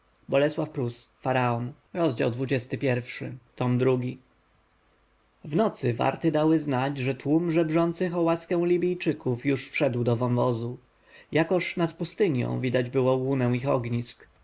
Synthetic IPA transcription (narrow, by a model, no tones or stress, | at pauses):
bɔlɛswafpɾusfaɾaɔn | ɾɔzd͡ʑa̰wd̪vud͡ʑɛst̪ɘpʲjɛɾfʂɘ̰t̪ɔmd̪ɾuɡʲi | vnɔt̪sɘva̰ɾt̪ɘd̪awɘznad͡ʑʐɛt̪wumʐɛbʐɔnt̪sɘxɔwaskɛ̃w̃lʲibʲijt͡ʂɘkufjuʂfʂɛd̪wd̪ɔvɔmvɔzu | jakɔʂnat̪pust̪ɘɲjɔ̰̃w̃vʲid̪ad͡ʑbɘwɔwunɛw̃ixɔɡɲisk